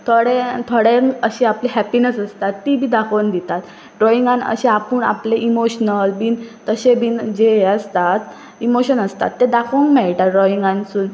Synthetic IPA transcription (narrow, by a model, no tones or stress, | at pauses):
t̪ʰoɽet̪ʰoɽeŋəɕeapliɦæpinesəst̪at̪ːibʱiːd̪akʰənd̪it̪at̪ | ɖɾɔiŋɡanə̰ɕeapuɳa̰pleʔimoɕnəlbiːnt̪əɕebiːnd͡ʑeəst̪at̪ | imoɕənəst̪a̰t̪ːed̪akʰoŋkmɛɭʈaɾɔiŋɡansuːn